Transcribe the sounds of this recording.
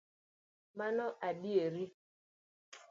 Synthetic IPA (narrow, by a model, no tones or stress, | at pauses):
manɔʔaɓieɾi